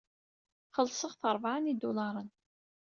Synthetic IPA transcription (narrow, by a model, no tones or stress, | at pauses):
χəlsˤəʁθəɾˤvʕənid̪ulɑɾˤən